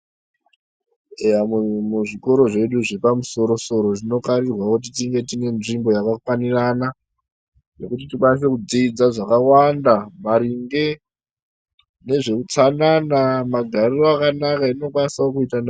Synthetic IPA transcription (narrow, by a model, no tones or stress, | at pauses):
ejamuʐiko̞ɾo̞ʐe̞ɗuʐe̞pamuso̞ɾo̞so̞ɾo̞ʐino̞kaɾirwakut̬itiŋɡe̞tine̞nʐimbo̞jakakwanirana | ne̞kutitikanis̬e̞kud͡ziːd͡zaʐakawandamaɾiŋɡe̞ | ne̞ʐe̞kut͡sananamaɡʱariroakanakaino̞kwanisaokuitan